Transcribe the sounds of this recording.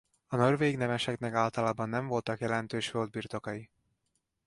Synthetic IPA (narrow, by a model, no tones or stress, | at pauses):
ɒnorveːɡnɛmɛʃɛknɛkaːlt̪ɒlaːbɒnːɛɱvo̞lt̪ɒkjɛlɛnt̪øːʃføld̪̚biːrt̪o̞kɒji